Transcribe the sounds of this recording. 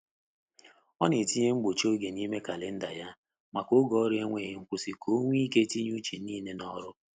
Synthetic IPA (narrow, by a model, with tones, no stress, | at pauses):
ɔ˦ne˨ti˦ɲe˦ŋ͡m̩˦ɡ͡bo˨t͡ʃo˦ɡe˨ni˦me˦ka˨le˦n̩˦da˨ja˦ | ma˨ko˦ɡɔ˨˦ɾe˦ŋʷe˦˨ɦe˦ŋ̩˦kʷʊ˦si˦kʰo˦ŋʷ˦i˦ke˦ti˦ɲ˦u˦t͡ʃi˨˦iː˦˨ne˦nɔ˦ɾʊ˦